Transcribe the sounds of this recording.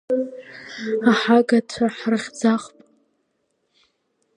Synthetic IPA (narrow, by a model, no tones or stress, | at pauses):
aħaɡatʷʰaħrɨχʲd͡zaχpʼ